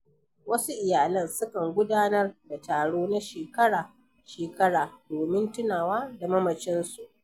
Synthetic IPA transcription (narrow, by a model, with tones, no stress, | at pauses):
wɐ˦su˦ʔɪ˨jaː˨lɐ˦nsʊ˦kɐ˨ŋɡʷʊ˦daː˦nɐ˦rda˨taː˨ɽoː˦na˦ʃeː˨kɐ˦ɽaː˨ | ʃeː˨kɐ˦ɽaː˨doː˨mɪ˦ntʊ˦naː˨waː˦da˨mɐ˦mɐ˨t͡ʃɪ˦nsu˨ʔ